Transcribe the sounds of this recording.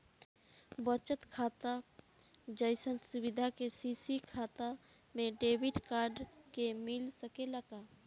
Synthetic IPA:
bət͡ʃət̪kʰaːt̪a | d͡ʒəjsənsʊwɪd̪ʱakesisikʰaːt̪a | mẽɖeːwɪɖkaːɾɖkemɪlsəkeləɡaː

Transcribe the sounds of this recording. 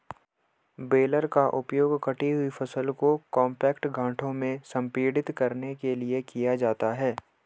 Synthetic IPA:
beːləɾkaʔʊpjoːɡkɐʈiɦʊifʰɐsəlkokɔ̃ːmpɛːkʈɡʱãːʈʰõmẽsɐ̃mpiːɽɪt̪kɐɾnekeliekijad͡ʒaːt̪aɦɛː

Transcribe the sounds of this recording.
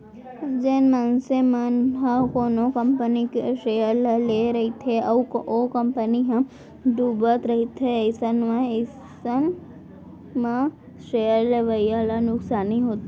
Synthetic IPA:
d͡ʒenmɐnsemɐnɦɐ̃koːnokɐ̃mpənikeʃeːəɾlleɾɐɦit̪ʰeɐokɐmpəniɦɐ̃ | d̪uːbət̪ɾɐɦit̪ʰeɪsənmẽs | ən | mã | ʃeːəɾleʋɐjjalanʊksaːnĩɦoːt̪i

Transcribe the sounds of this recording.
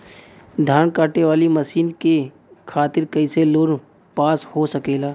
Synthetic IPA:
d̪ʱaːɳkaːʈeʋaːliməsiːnke | kʰaːt̪ɪɾkɐɪseloːɾ | paːshosəkeːlaː

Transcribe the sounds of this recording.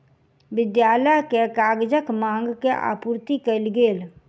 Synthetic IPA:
ʋɪd̪jaːləjkekaːɡd͡ʒəkmãːŋɡkeʔa̰ːpuːɾt̪ikəɪlɡeːl

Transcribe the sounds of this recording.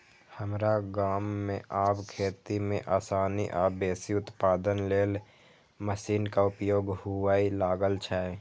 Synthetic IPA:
həmɾaɡaːmːẽʔaːpkʰeːt̪imẽʔaːsaːniʔaːbeːsiʊt̪paːd̪ənleːl | məsiːnkaʊpjoːɡhʊwaːilaːɡəlt͡ʃʰaːe

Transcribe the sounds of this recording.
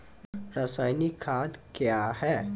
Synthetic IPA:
ɾasaːjnikʰaːd̪kjaːɦɛː

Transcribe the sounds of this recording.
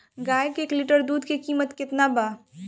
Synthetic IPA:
ɡaːjkeːklɪʈəɾd̪uːd̪kikiːmət̪kɪt̪nabaː

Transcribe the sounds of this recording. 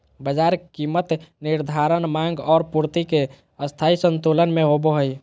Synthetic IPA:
bəd͡ʒaɾkimət̪niɾd̪ʱaɾənmãŋɡɔːɾpuɾt̪ike | əst̪ʰaisənt̪olənmẽɦoboɦəj

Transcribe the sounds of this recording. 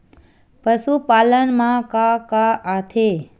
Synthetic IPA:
pəsupalənmãkakaʔat̪ʰe

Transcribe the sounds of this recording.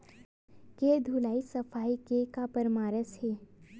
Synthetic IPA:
ked̪ʱulaːisɐfʰaːikekapəɾmaːɾəsheː

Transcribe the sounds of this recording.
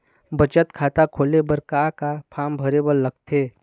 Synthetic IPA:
bət͡ʃət̪kʰaːt̪akʰoːlebəɾkakapʰaːmbʱəɾebəlləɡt̪ʰeː

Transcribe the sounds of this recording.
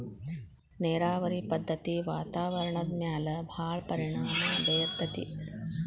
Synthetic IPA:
neːɾaːʋɐɾipɐd̪ʱːɐt̪iʋaːt̪aːʋɐɾɐɳɐd̪̚mjaːlɐbʱaːɭpɐɾiɳaːmɐɐb̪ʱɐjɐd̪ʱːɐt̪ḭ

